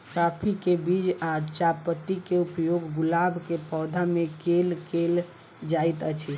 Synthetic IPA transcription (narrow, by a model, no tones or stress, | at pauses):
kapʰikebid͡ʒat͡ʃapət̪ːikeupjoɡːɡulabʱkepɔːd̪ʱamekelkel | d͡ʒajt̪ət͡ʃʰi